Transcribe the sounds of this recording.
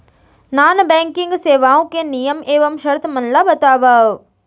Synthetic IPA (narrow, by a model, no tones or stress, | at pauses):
naːnbeːŋkiŋɡseːʋãːkenijɐmeːʋɐmʃɐɾt̪mɐnlaːʋɐt̪aːʋa